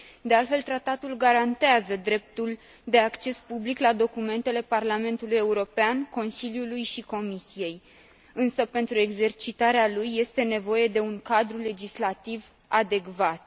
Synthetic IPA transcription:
d̪e̞alt̪fe̞lt̪ɾat̪at̪ulɡaɾant̪eazəd̪ɾe̞p̚t̪ul | d̪e̞akt͡ʃe̞spubliklad̪o̞kume̞nt̪e̞le̞parlame̞nt̪uluje̞uɾo̞peanko̞nsiljulujʃiko̞misije̞j | ɨnsəpe̞nt̪ɾue̞ɡze̞rt͡ʃit̪aɾealujːe̞st̪e̞ne̞vo̞je̞d̪e̞uŋkad̪ɾule̞d͡ʒislat̪iv | ad̪e̞kvat̪̚

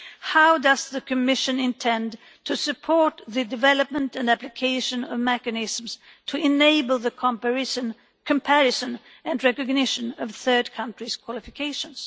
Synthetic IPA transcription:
haʊdʌzðɨkʰɨmɪʃɨ̃nɪ̃ntʰɛ̃n | tʰɨsɨpʰɔɹt̪̚ðɨdɨvɛlˠəp̚mə̃ntɨ̃ndæplɨkʰeɪʃɨ̃nʌvmɛkɨnɪzm̩z̥ | tʰɨʔɪneɪbəl̩ˠðɨkʰpn | kʰɨ̃mpʰæɹɨsɨ̃n | ɨ̃nɹɛkɨɡ̚nɪʃɨ̃nʌv̥θɜ˞d̚kʰʌ̃nt͡ʃɹ̥iz̥kʰw̥ɑlˠɪfɨkʰeɪʃɨ̃nz̥

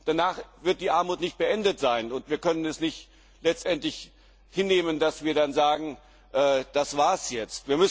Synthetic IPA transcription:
d̥anaːχvɪɐt̚d̥iːʔaɐmuːtnɪçt̚b̥əʔɛndətz̥aɪnʊntv̥iːɐkʰœnənɛsnɪçt | lɛt͡stʔɛntlɪç | hɪnːeːməndasv̥iːɐdanzaːɡŋ̩ | ʔɛːd̥asv̥aːɐsjɛt͡stv̥iːɐmʏs

